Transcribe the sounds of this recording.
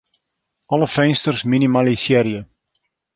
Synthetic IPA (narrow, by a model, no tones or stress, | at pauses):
ʔɔləfɛnstərsminimalisiəɾiə